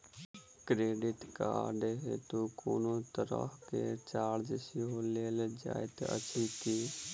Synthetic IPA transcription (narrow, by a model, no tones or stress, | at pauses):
kɾeːɖɪt̪ka̰ːɾɖeːɦet̪uːkoːnoːt̪əɾə̰hket͡ʃaːɽd͡ʒəsiɦoːleːled͡ʒa̰ːet̪ə̰t͡ʃʰiːt̪iː